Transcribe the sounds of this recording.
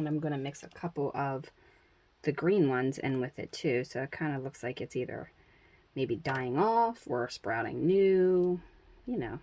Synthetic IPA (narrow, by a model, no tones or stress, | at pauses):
nãɪ̃mɡʌnɨmɪksɨkʰʌpl̩ˠʌv | ðɨɡɹĩnwʌ̃nzɨ̰̃nwɪðɪ̰tʰʉsoʊɨt̚kʰãɪ̃ndəlʊkslaɪkɨtsiðə̰˞ | meɪbidaɪɪ̃ŋɔfə˞spɹaʊɾɪ̰̃ŋnʉ | jɨnoʊ